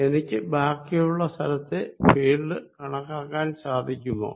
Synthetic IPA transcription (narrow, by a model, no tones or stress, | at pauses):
e̞nikʲːɨbʱaːkːijuɭːɐst̪ʰɐlɐt̪ːepeːɭːɨkɐɳɐkːaːkːaːnsaːd̪ʱikʲːumːo̰ː